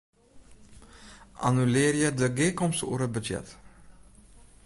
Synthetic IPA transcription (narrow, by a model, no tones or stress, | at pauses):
ʔa̰nylɪːɾjədəɡeːkɔmsṵːəɾəbəd͡ʒɛ̰t